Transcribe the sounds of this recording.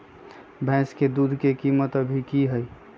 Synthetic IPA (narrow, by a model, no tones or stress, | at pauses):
bʱɛ̃sked̪ud̪ʱkekimət̪əbʱikiɦəj